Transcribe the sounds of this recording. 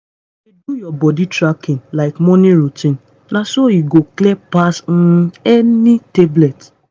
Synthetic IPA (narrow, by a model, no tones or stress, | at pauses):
idujɔbɔditɾakĩnlaɪkmɔniɾutĩn | nasoiɡoklepasn̩ɛniteblet